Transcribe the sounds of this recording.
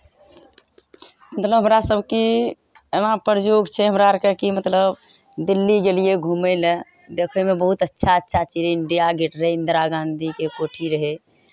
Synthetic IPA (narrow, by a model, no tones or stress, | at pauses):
mət̪ləbʱɦə̃mɾasəbʱki | enapəɾd͡ʒoɡt͡ʃʰɛɦəmɾaɾkekimət̪ləb | d̪ilːiɡelijeɡʱumeɪle | d̪ekʰemebəɦut̪ətːʃʰaətːʃʰat͡ʃid͡ʒiɳɖijaɡiʈɾind̪ɾaɡãnd̪ʱikekoʈʰiɾəɦe